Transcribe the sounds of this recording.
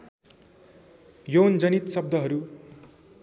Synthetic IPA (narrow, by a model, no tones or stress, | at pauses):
jownd͡zʌnit̪sʌb̚d̪ʱʌɦʌɾu